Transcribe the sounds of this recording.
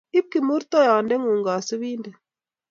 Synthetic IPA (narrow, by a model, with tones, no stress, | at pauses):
i˦p̚ki˨mu˦ɾt̪ɔ˦jaː˨ndɛ˦ŋu˨ŋɡa˨su˦βiː˦ndə˨